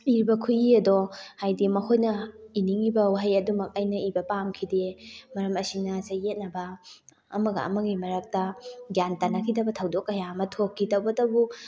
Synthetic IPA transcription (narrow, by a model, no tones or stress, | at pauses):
iɾibɐkʰujiɐdohajdimɐkʰojnɐiniŋibɐwaɦajɐdumɐk̚ɐjnɐibɐpamkʰidemɐɾɐmɐsiŋnɐsɐjet̚nɐbɐ̰ː | mɐɡɐ̰ɐ̰mɐɡimɐɾɐk̚tɐɡjantanɐkʰidɐbɐtʰɐwdokːɐjaɐmɐtʰokʰːitɐwbɐdɐbu